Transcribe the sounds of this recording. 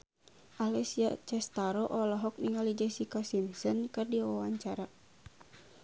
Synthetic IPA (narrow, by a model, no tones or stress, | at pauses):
ʔalɛsiat͡ʃɛst̪aɾɔʔɔlɔɦɔk̚niŋalid͡ʒɛsikasinsənkɨrdiwawaɲt͡ʃaɾa